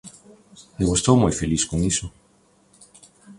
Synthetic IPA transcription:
meɣust̪owmujfeliskoŋiso

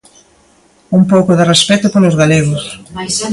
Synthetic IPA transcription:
umpowkʊðɪrespɛt̪ʊpolʊzɣaleɣʊs

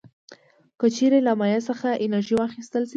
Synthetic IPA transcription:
kət͡ʃeɾelamɑjasəxaʔɪnaɾʒiwɑxist̪əlʃ

